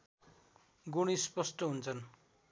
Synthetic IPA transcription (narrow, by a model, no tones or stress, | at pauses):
ɡuɽ̃ispʌsʈʌɦunt͡sʰʌn